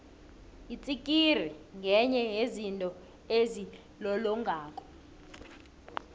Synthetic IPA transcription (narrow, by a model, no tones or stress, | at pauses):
it͡sʼikʼir̤iŋɡʱɛɲɛɦezintʼɔ | ezi | lɔlɔŋɡʱaːkʼɔ̥